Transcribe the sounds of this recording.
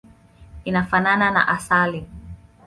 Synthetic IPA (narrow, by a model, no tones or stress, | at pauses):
inafananana̰ʔasali